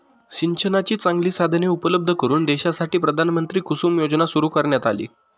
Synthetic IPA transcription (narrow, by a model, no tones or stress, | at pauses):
ɕiɲt͡ɕʰənat͡ɕiːt͡saŋɡliːsad̪ʱneupələb̚d̪ʱəkəɾuːnd̪eɕasaʈiːpɾəd̪ʱanmənt̪ɾiːkusuːmjod͡ʑnasuɾuːkəɾɳjat̪alḭː